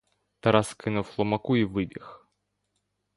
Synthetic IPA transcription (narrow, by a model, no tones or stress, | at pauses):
t̪ɐɾɑskɪnuwxlˠɔmɐkuiʋɪbʲix